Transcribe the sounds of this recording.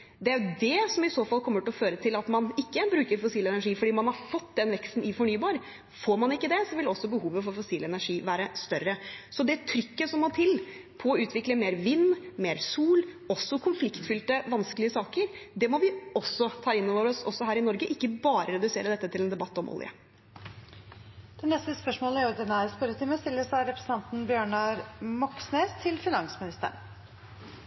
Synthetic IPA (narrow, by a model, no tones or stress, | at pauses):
d̪ɛæɾjʉd̪ɛsɔmɪsoːfɑlːkʰɔmːəʈɪlɔføːɾət̪ʰɪlɑt̪mɑnɪkːəbɾʉːkəɾfʊsiːlɛnæʂiːfɔɖiːmɑnhɑɾfɔt̪ːd̪ɛnʋɛkst̪n̩ɪfɔɳyːbɑːɾ | foːɾmɑnɪkːəd̪ɛsɔʋɪlɔsːɔbəhuːʋəfɔɾfɔsiːlɛnæʂiːʋæːɾəst̪œɾːəsɔd̪ɛt̪ʰɾʏkːəsɔmːɔt̪ʰɪlpʰɔɔʉːt̪ʋɪkləmeːɾʋɪnːmeːɾsuːl | ɔsːɔkʰʊnflɪkt̪fʏlt̪əʋɑnskəlɪəsɑːkəɾd̪ɛmɔʋɪɔsːɔt̪ʰɑːɪnːoːʋəɾɔsɔsːɔhæːɾɪnɔɾɡəʔɪkːəbɑːɾəɾɛd̪ʉseːɾəd̪ɛt̪ːət̪ʰɪlɛnd̪ɛbɑt̪ːɔmʔɔ̰lɪə̰ | d̪̥ɛnɛst̪əspœʂmoːləæɾʊd̪ɛnæɾspœɾət̪ʰɪməst̪ɪlːəsɑɾɛpɾə̥sn̩ɑnt̪n̩bjøːɳɑɾmɑksneːst̪ʰɪlfɪnɑŋsmɪnɪst̪ə̰ɳ